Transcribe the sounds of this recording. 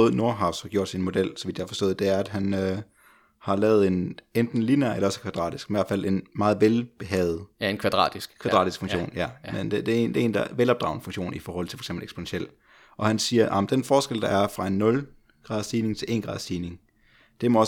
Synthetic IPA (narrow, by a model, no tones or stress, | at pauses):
ð̩ˠno̝ɐɦɑ̈ʊsɒɡ̥jo̝ɐ̰d̥sinmo̝d̥el̰sɒ̽ʋid̥jɑæɐfɒ̽sd̥ɔ̽ːð̩ˠd̥e̝æɐæd̥ɦænø | hɑ̈lɛːʊð̞̩ˠe̝nend̥n̩linæɐelɐɒ̽sə̥kʰʋæd̥ʁɑ̰̈ːd̥isɡ̥imʋæɐ̥fæl̰ʔe̝nmɑ̈ːð̞̩ˠʋelb̥e̝ɦɛːð̩ˠkʰʋd̥ʁɑ̰̈ːd̥isɡ̥kʰʋæd̥ʁɑ̰ːdisɡ̥fɔ̽ŋɕɕo̰ːnjæmended̥eend̥ee̝ːnd̥ɑʋelɒ̽b̥̚d̥ʁɑ̈ʊnəfo̽ŋɕo̝̰ːnifɒːhɒ̽l̰t͡sʰe̝̥fɒ̥sḛmbl̩eɡspʰo̝nenɕel̰ | ɒ̽hænsiːɐʔɑ̈mnd̥enfɒːsɡ̥el̰d̥ɑ̈æɐfʁɑ̈e̝nːɔ̽l | ɡ̥ʁɑ̈ðˠsd̥iːne̝ŋt͡sʰe̝ʔe̝̰ːn̥ʁɑ̈ːðˠsd̥iːne̝ŋ | d̥e̝mɒ̽ɒ̽